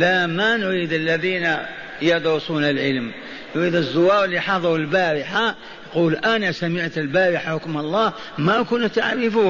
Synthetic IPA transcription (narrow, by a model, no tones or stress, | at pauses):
læmanʊɾiːd̪əlːæðiːna | jɑd̪ɾʊsuːnalʕəlm | nʊɾiːd̪əzːʊwɑːɾˤəlːijħɑðˤɑəlbaɾɪħa | jquːlʔænasæməʕt̪əlbæːɾɪħaħʊkmɑlˤːɑː | mækʊnt̪aʕɾɪfuː